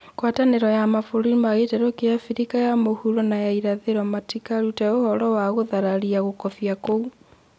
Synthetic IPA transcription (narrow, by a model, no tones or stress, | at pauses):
kwataneɾɔjamafoɾimaɣetɛɾɔkejafiɾikajamohuɾɔnajaiɾaðeɾɔmatikaɾutɛohɔɾɔwaɣoðaɾaɾiaɣokɔfiakou